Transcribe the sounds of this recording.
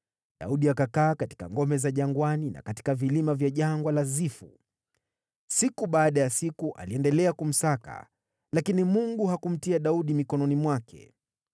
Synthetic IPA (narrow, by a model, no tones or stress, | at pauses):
ɗa̰uɗiakakaːkati̥ka̰ŋɡɔmɛzaʄaŋɡwanina̰kati̥kavilimavjaʄaŋɡwalazifṵ | sikuɓaːɗajasikuʔa̰liɛndɛlɛakum̩saka̰ | lakinimuŋɡuɦakum̩tiaɗauɗimikɔnɔnimwakʰɛ̰